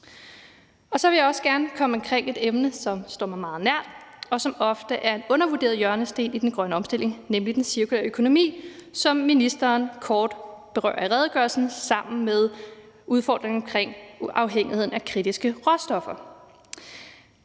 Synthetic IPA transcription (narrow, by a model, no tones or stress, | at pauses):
ɒ̽sɒ̽ʋe̝jäɒ̽səɡ̥æɐnəkʰɒ̽məɒmkʰʁeŋ̰e̝d̥emnəsɒ̽msd̥ɔ̰mɑ̈ɪmɑ̈ːð̞̩ˠnæɐ̰d̥ɒ̽sɒ̽mɒ̽fd̥əʔæɐe̝nɔ̽nɐʋuɐde̝̰ɐðˠjɶɐnəsd̥e̝̰ːnid̥enɡ̥ʁɶnəɒ̽msd̥e̝l̰e̝ŋnemlid̥ensiɐkʰulḛɐøkʰo̝no̝mḭːsɒ̽mːinisd̥ɐːnkʰɒːd̥b̥e̝ʁɶ̰ːɐiʁɛð̞ˠɡ̥ɶɐlsn̩sɑ̈m̰n̩með̞ˠ | uð̞ˠfɒ̰ːd̥ʁeŋɒ̽mkʰʁeŋ̰ɑ̈ʊɦeŋ̰ihe̝ð̰ˠn̩ækʰʁid̥isɡ̥əʁɒsd̥ɒ̽fɐ